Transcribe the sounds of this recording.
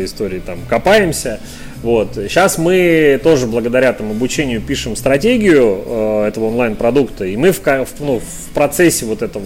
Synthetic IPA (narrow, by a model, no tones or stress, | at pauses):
əɪst̪o̞ɾʲɪːt̪amkɐpajɪmsʲə | vo̞t̪ɕːasmɨt̪o̞ʐɨblˠəɡəd̪ɐɾʲat̪amʊɐbʊt͡ɕenʲɪjʊpʲiʂɨmst̪ɾɐtʲeɡʲɪjʊɛt̪əvəonlˠajnpɾɐd̪ukt̪əimɨfkɐfnuf | pɾɐt̪sɛsʲːɪvo̞t̪ɛt̪əv